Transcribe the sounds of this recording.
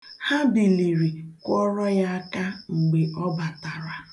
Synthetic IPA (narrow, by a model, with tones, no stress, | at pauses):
ha˦bi˨li˨ɾi˨kʷɔ˦ɾɔ˦ja˦a˦ka˦ŋ͡m̩˨ɡ͡be˨ʔɔ˦ba˨ta˨ɾa˨